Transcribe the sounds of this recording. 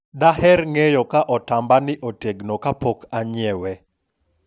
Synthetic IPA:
daɦɛɾŋejɔkaʔɔtambanɪʔoteɡnokapokaɲɪɛwɛ

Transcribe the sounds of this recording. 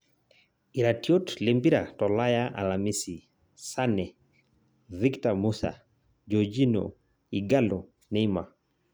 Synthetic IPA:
iɾatiɔtlembiɾatɔlajaʔa̰lamisi | sanɛ | viktamusa̰ | d͡ʒɔd͡ʒinɔ̰ | iɡalɔ | nɛima

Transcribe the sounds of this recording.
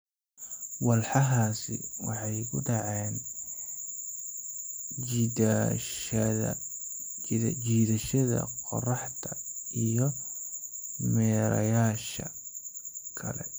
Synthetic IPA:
wɑlħɑɦaːsɪ̰wɑħɑjkʰʊɖɑʕɛːn | t͡ʃiːðɐʃɐðɐ̰qɔ̰rɑħt̪ʰɐijɔ | mɛːɾɐ̰jaːʃɐ | kʰɐlɛ̰

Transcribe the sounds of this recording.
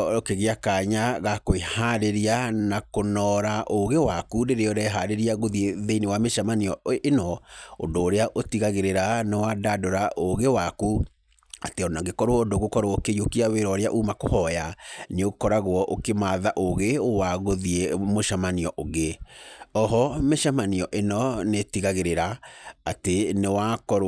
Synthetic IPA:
okeɣeakaɲaɣakoehaɾeɾianakonɔɾaʔoɣewakuɾeɾeɔɾɛɦaɾeɾiaɣoðieðeinewameʃamaniɔenɔondoːɾeaʔotiɣaɣeɾeɾanewadadoɾaʔoɣewaku | ateɔnaɡekɔɾoɔodoɣokɔɾookejokiaweɾɔɾeaʔumakohɔjaneokɔɾaɣwɔʔokemaðaʔoɣeowaɣoðiemoʃamaniɔʔoɣeɔɦɔmeʃamaniɔʔenɔnetiɣaɣeɾeɾaatenewakɔɾ

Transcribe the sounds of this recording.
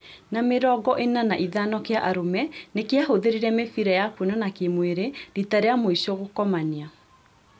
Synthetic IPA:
nameɾɔɡɔʔenanaʔiðanɔkeaʔaɾomɛnekeahoðeɾiɾɛmefiɾɛjapwenɔnakemweɾeditaɾeamoisɔɣokɔmania

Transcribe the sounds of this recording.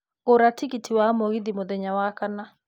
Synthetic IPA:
ɣoɾatiɣitʰiwamoɣiðimoðɛɲawakana

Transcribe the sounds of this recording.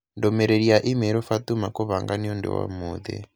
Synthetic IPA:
ndɔmɛɾeɺiaʔimɛɾɔfat̪umakɔβaŋɡaniɔndɛ̰wa̰muːd̪ɛ̰

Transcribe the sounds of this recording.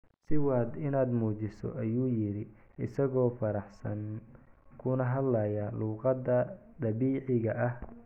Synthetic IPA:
sɪwɑːd̪ɪnaːd̪muːt͡ʃɪsɔ̰ʔɐjuːjɪɾɪ | ɪsɐɣɔːfɐɾɑħsɐ̰ŋ | kʰʊnɐɦɐd̪lɐjɐluːqɑd̪ɐ | d̪ɐβiːʕɪɣɐʔɐh

